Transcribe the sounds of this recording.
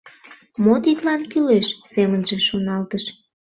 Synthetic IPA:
mot̪it̪lɑnkileʃsemənʒeʃonɑlt̪əʃ

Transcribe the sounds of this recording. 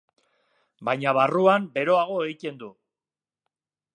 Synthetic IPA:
bajɲaβ̞aruambe̞ɾo̞aɣ̞o̞ejt̪e̞nd̪u

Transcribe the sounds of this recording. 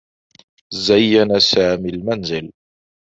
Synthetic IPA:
zajːanasaːmilmanzɪl

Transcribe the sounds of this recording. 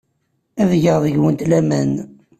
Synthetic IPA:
æðʝəʁðəʝwənt̪læmæn

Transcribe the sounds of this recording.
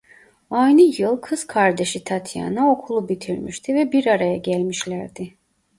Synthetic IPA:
ajnɯjɯlˠkʰɯz̥kʰaɾd̪e̞ʃit̪ʰat̪ʰja̰nao̞kʰulˠubit̪ʰiɾmḭʃt̪ʰivɛbiɾaɾajaɟælʲmiʃlʲæɾd̪ɪ

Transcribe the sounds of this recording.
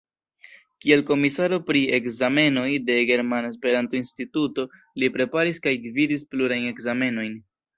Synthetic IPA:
kie̞lko̞misaɾo̞pɾie̞kzame̞no̞jde̞ɡe̞ɾmanaespe̞ɾanto̞instituto̞ | lipɾe̞paɾiskajɡvidispluɾajne̞kzame̞no̞jn

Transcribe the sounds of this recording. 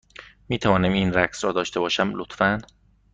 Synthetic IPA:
miːt̪ʰævɒːnæmiːnɾæksɾɒːd̪ɒːʃt̪e̞bɒːʃæmlot̪fæn

